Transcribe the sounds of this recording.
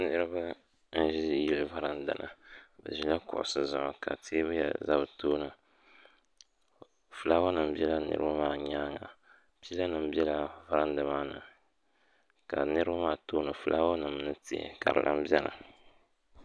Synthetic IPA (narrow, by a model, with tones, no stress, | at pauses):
nɨ˦ɾɨ˦ba˦ | n̩˦ʒi˦˨ji˦lɨ˨va˦ɾa˦nda̰˨nʔa̰˨bɛ̰˨ʒi˦la˦kʊ̰˨ʔʊ̰˨sɨ˨za˨ŋ˨ka̰˨tʰeː˦bɨ˦jɛ̰˨za˦bɨ˨toː˦nɨ˨ | fɨ˨laː˦wa˦nɨ˨m̩˦bi˦ɛ˦la˦nɨ̰˦ɾɨ̰˦ba˦maː˦˨ɲaː˦ŋa˨ | piː˦la˦nɨ˨m˦bi˦ɛ˦la˨va˦ɾa˦ndɨ˨maː˦nɨ̰˨ | ka˨nɨ˦ɾɨ˦ba˦maː˦˨toː˦nɨ˨fɨ˦lʔaː˦wa˦nɨ˨m˦nɨ˦tḭ˦˨ka̰˨ɾɨ̰˨lʔa̰˦m˦bjɛ˦na̰˨